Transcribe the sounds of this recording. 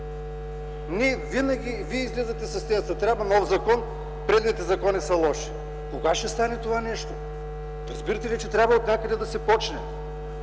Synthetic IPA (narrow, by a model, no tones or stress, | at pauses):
nɛvinɐɡʲiviɛizlɛzɐt̪ɛsɐst̪ɛjsɐt̪ɾʲabvɐnɔfzɐkɔn | pɾɛd̪nit̪ɛzɐkɔnisɐlˠɔʃi̥ | koɡaʃɛst̪anɛt̪ovanɛʃt̪o | ɾɐzbiɾɐt̪ɛlʲit͡ʃɛt̪ɾʲabvɐot̪nʲakəd̪ɛd̪ɐsɛpɔt͡ʃnɛ